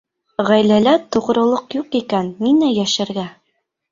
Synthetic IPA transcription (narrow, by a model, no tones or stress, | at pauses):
ʁæjlælæt̪ŏʁɾɤ̆lˠoqjuqikænːinæjæʃɘ̆ɾɡæ